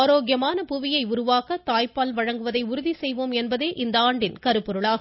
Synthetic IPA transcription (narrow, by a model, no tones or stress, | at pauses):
ɾoːɡjɐmaːnɐpʊʋɪjɐɪʊɾʊʋaːkɐt̪aːjpaːlʋɐɻɐŋɡɯʋɐðɐɪʊɾʊðisɛjʋoːmɛnbɐðeːʔɪnd̪ɐaːɳɖɪnkɐɾɯpːʊɾɯɭaː